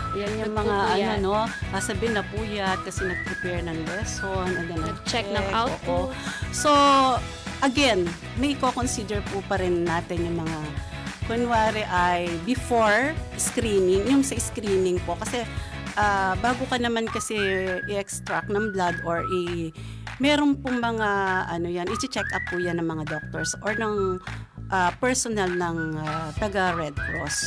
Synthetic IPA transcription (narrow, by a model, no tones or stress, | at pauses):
jɐnjʊŋmɐŋaʔɐnono̞ʔɐsɐbɪnɐpuːjɐt̪̚kɐsɛnɐɡ̚pɾɛpɛɹnɐŋlɛsonʔɐɡɐnɐɡt͡ʃɛknɐawoːʔoso̞ | ʔɐɡɛn | mɐjʔɪkokonsid̪ɛɹpupɐɾɪnːaːt̪ɪnjʊŋmɐŋa | kʊnwaːɾɛʔɐjbɪfoɹskɾiːnɪŋjʊŋsɐɪskɾiːnɪŋpo̞kɐsɛ | ʔaːbaːɡokɐnɐmankɐsɛʔɪʔɛkst̪ɾak̚nɐŋblad̪ʔoɹʔɪ | mɛːɾonpʊŋmɐŋaʔɐnojanʔɪt͡ʃɪt͡ʃɛkʔɐp̚ːujanːɐŋmɐŋad̪ok̚t̪oɹsʔoɹnɐŋʔapɛɹsonɐlnɐŋat̪ɐɡaɹɛd̪̚kɹo̰s